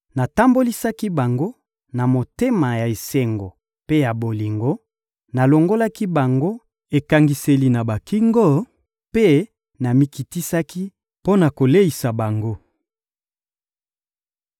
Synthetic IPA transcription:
na˨ta˦mbo˦li˦sa˦ki˦ba˨ŋɡo˦ | na˨mo˨te˦ma˨ja˨e˨se˨ŋɡo˨ | pe˦ja˨bo˨li˨ŋɡo˦ | na˨lo˨ŋɡo˦la˦ki˦ba˨ŋɡo˦ | e˨ka˦ŋɡi˦se˦li˦na˨ba˨ki˦ŋɡo˦ | pe˦ | na˨mi˦ki˨ti˦sa˦ki˦ | po˦na˨ko˨le˦i˨sa˨ba˨ŋɡo˦

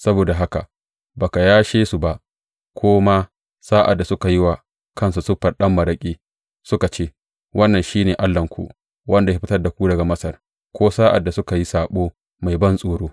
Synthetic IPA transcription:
sɐ˦boː˨da˨ɦa˦ka̰˨ʔ | ba˨ka˨jaː˦ʃeː˦su˨ba˦ʔ | kʷʰoː˦ma˦ | saː˦ʔa̰˨dːa˨sʊ˦ka˨jɪ˦wa˨ | kʰɐ˦ns̬u˨sʊ˦ɸːɐ˨ɗɐ˦mːɐ˨ɾɐ˦kʲʼiː˦ | sʊ˦ka˨t͡ʃeː˦ | wʔɐ˦nːɐ˨nʃiː˦neː˨ʔa˦lːɐ˨ŋkʷṵ˦ʔ | wʔɐ˦nda˨ja˦ɸɪ˦tɐ˦rda˨kʷuː˦dɐ˨ɡa˨mɐ˦sɐ˨r | kʷoː˦saː˦ʔa̰˨dːa˨sʊ˦ka˨ji˦saː˨ɓoː˦ | ma˨jbɐ˦nsʼoː˨ɽoː˦

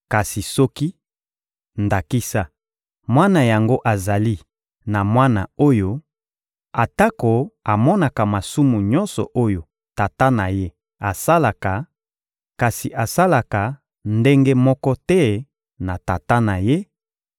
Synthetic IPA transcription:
ka˨si˨sɔ˦ki˦ | nda˨ki˦sa˦ | mwa˦na˨ja˨ŋɡo˦ʔa˨za˨li˦ | na˨mwa˦na˨o˦jo˦ | a˨ta˦ko˨a˨mɔ˦na˨ka˨ma˨su˦mu˨ɲɔ̃˦nsɔ̰˨ʔo˦jo˨ | ta˨ta˦na˨je˦ | a˨sa˦la˨ka˨ | ka˨si˨ʔa˨sa˦la˨ka˨ | nde˦ŋɡe˦mɔ˦kɔ˦tɛ˦ | na˨ta˨ta˦na˨je˦

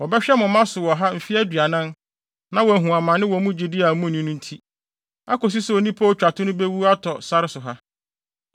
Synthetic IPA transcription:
wɔ˨bɛ˦ɕᶣɛ˦mʊ̃˨mã˦sʊ˨wɔ˨ɦa˦m̩˨fi˦æ˦dɥa˨nã˦n | nã˨wɔ˨ɦũ˨a˨mã˨nɪ̃˦wɔ˨mũ˦d͡ʑi˨dɪ˦a˨mũ˦˨nĩ˦nʊ̃˦n̩˦tʰi˦ | a̰˦kɔ˨s̬i˦so˨nĩ˦pʰa˦o˨t͡ɕᶣa˨tʰʊ˦nʊ̃˦be˦wu˦a˦tʰɔ˨sa˦ɾɪ˦sʊ˨ɦa˦

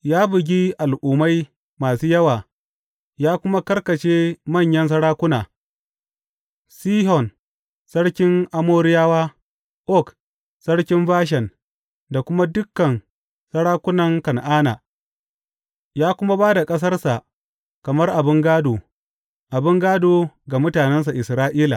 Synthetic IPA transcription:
jaː˦bʊ˨ɡʲi˦ʔa˨lʔuː˨ma˦j | maː˨suː˦jɐ˦waː˨ | jaː˦kʷʊ˦ma˦kɐ˦rkɐ˨t͡ʃeː˦mɐ˦˨ɲjɐ˦ns̬ɐ˦ɽaː˦kʷʊ˦naː˨ | siː˦hɔ˨n | sɐ˦ɽkʲɪ˦ŋʔa˦moː˦ɾɪ˦jaː˦waː˦ | ʔɔ˦˨k | sɐ˦ɽkʲɪ˦mbaː˦ʃ̬ɛ˨n | da˨kʷʊ˦ma˦dʊ˦kːɐ˨n | sɐ˦ɽaː˦kʷʊ˦nɐ˨ŋkɐ˨nʔaː˦na̰ː˨ | jaː˦kʷʊ˦ma˦baː˦da˨kʼɐ˦s̬ɐ˦rsa˨ʔ | kɐ˨mɐ˦rʔa˨bɪ˦ŋɡaː˦doː˨ | ʔa˨bɪ˦ŋɡaː˦doː˨ɡa˨mʊ˦taː˨nɛ˦ns̬a˨ʔɪ˨sɾaː˦ʔiː˦la˨

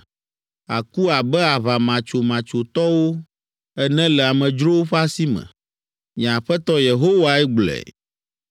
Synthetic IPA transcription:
a̰˨ku˦a˨bɛ˦a˨βa˨mã˨t͡ʃo˨mã˨t͡ʃo˨t̪ɔ˦wo˦ | ɛ˦nɛ̃˦lɛ˨a˨mɛ̃˨d͡ʒɾo˦wo˦ɸa˦si˦mɛ̰̃˨ | mĩ˨a˨ɸɛ˦t̪ɔ˦je˨ɦo˦wa˨ɛ˦ɡ͡blɛ̰˨

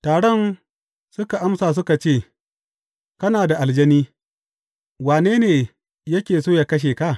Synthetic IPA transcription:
taː˨ɽɔ˦˨n | sʊ˦ka˨ʔa˦msaː˨s̬ʊ˦ka˨t͡ʃeː˦˨ | kɐ˦naː˨da˨ʔa˨ld͡ʒɐ˦niː˦ | waː˨neː˦neː˨ | jɐ˦kʲeː˨soː˦˨ja˨kɐ˦ʃ̬eː˨ka˦˨

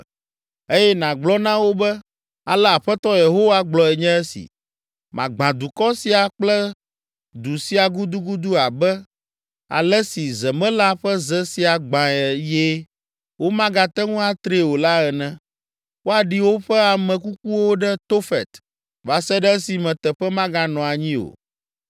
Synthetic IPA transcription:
e˦jɛ˦nã˨ɡ͡blɔ˦nã˦wo˦bɛ˦ | a˨lɛ˦a˨ɸɛ˦t̪ɔ˦je˨ɦo˦wa˦ɡ͡blɔ˨ɛ˨ɲɛ̃˦ɛ˦sḭ˨ | mã˨ɡ͡bã˨d̪u˨kɔ˦si˨a˨k͡plɛ˦ | d̪u˨si˦a˨ɡu˦d̪u˦ɡu˦d̪u˦a˨bɛ˦ | a̰˨lɛ˦si˨zɛ˨mɛ̃˦la˦ɸɛ˦zɛ˦si˨a˨ɡ͡bã˨ɛ˨je˦ | wo˦mã˦ɡa˨t̪ɛ˦ŋũ˦a˨t̪ɾe˨wo˨la˦ɛ˨nɛ̃˦ | wo˦a˨ɖi˨wo˦ɸɛ˦a˨mɛ̃˨ku˦ku˦wo˦ɖɛ˦t̪o˦fɛ˨t̪ | va˨sɛ˦ɖɛ˦ɛ˦si˨mɛ̃˨t̪ɛ˨ɸɛ˦mã˦ɡa˦nɔ̃˨a˨ɲĩ˦o̰˨

